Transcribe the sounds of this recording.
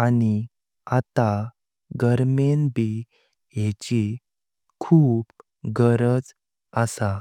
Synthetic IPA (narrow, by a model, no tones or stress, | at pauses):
ani | at̪a | ɡəɾmenbi | jet͡ɕi | kʰuːb | ɡəɾəd͡z | əsa